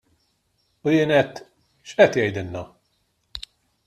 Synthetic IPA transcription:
ʊjɪːnɛt̪ː | ʃʔɛt̪jɛjd̪ɪnːɐ

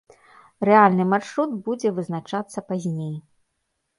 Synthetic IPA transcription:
rɛalʲnɨmarʂɾut̪bud͡zʲɛvɨznat͡ʂat̪sːɐpazʲnʲej

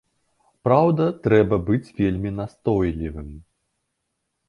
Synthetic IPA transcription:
pɾawd̪ɐt̪ɾɛbɐbɨt͡sʲvʲelʲmʲinast̪ɔjlʲivɨm

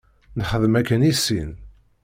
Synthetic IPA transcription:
nχəðəmækːənisːin

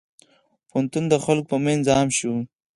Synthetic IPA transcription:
pʊnt̪und̪əxalk̚pəmenzɑːmʃu

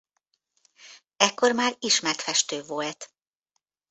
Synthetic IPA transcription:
ɛkːo̞rmaːɾiʃmɛt̪fɛʃt̪øːvolt̪

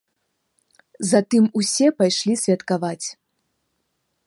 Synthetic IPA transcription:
zɐt̪ɨmusʲɛpajʂlʲisʲvʲɐt̪kavat͡sʲ

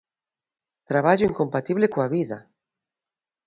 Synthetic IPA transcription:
t̪ɾaβ̞aʎoiŋkompat̪iβ̞lekoaβiða

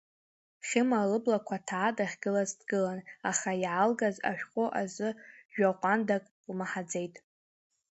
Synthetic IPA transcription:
χʲɪmalɨblakʷʰatʰaːdʼaχʲɡɨlazdɡɨlanaχajʕalɡaza̰ʃᶣqʷʼʊʔazɨʒᶣaqʷʼandakʼ | lmaħad͡ze̞jtʼ

